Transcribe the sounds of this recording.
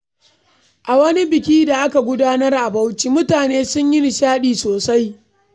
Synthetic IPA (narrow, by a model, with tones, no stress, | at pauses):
ʔa˨wɐ˦ni˦bɪ˨kʲiː˦da˨ʔa˦ka˨ɡʷʊ˦daː˦nɐ˦rʔa˨ba˦wt͡ʃiː˦mʊ˦taː˨neː˦sʊ˦ɲjɪ˦n˨ʃaː˦ɗiː˨soː˨sa˦j